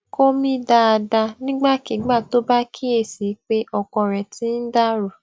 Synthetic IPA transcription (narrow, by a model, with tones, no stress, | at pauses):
ko˦mĩ˦da˦a˧da˧nĩ˦ɡ͡ba˦˨ki˨˦ɡ͡ba˦˨to˦ba˦kʰi˦e˦˨si˨˦k͡pe˦ʔɔ˧kɔ̃˧ɾɛ˨tĩ˦n̩˦da˦ɾu˨